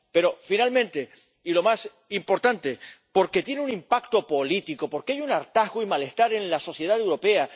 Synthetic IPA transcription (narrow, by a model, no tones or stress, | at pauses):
pe̞ɾo̞finalmẽnt̪e̞ | ilo̞mas | impo̞ɾt̪ant̪e̞po̞ɾke̞t̪je̞neunĩmpak̚t̪o̞po̞lit̪iko̞po̞ɾkeajunaɾt̪aɦɣoimale̞st̪aɾẽ̞nlaso̞θje̞ð̞at̪ewɾo̞pe̞a